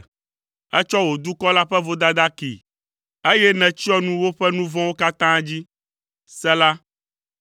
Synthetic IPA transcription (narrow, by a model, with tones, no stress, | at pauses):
ɛ˦t͡ʃɔ˦wo˨d̪u˦kɔ˦la˦ɸɛ˦vo˦d̪a˦d̪a˦kḭ˨ | e˦jɛ˦nɛ̃˨t͡ɕi˦ɔ˦nũ˦wo˦ɸɛ˦nũ˦vɔ̃˦wo˦ka˦t̪ã˦d͡ʑi˦ | sɛ˦la˦